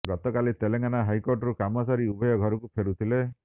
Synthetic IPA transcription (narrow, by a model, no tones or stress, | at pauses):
ɡɔt̪ɔkalit̪eleŋɡanaɦajkoɾʈɔɾukamɔsaɾiubɔjɔɡʱɔɾɔkupʰeɾut̪ʰile